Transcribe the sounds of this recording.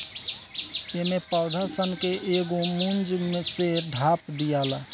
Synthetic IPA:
emepəd̪ʱəɾsənkeʔeɡomund͡ʒmeseɖʱapd̪ijala

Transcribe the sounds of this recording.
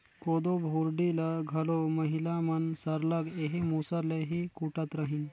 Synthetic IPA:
kod̪obʱuɾɖiləɡʱəloməɦilamənsəɾləɡeɦimusaɾleɦikuʈat̪ɾəɦin

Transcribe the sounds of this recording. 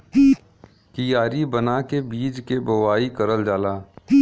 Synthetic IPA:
kijaːɾibənakebiːd͡ʒkebɐwaːikəɾəld͡ʒaːlaː

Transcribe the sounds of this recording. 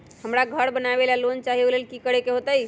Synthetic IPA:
həmɾaɡʱəɾbənabelalont͡ʃaɦiolelkikəɾekeɦot̪əj

